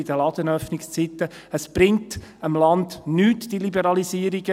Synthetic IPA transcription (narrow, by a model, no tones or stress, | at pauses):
ɪd̪əlɑd̥̪ənœfnɪkst͡sit̪ːə | əsb̥ɾɪŋtəmlɑndnyːtd̥ilibəɾɑlisiːəɾiɡə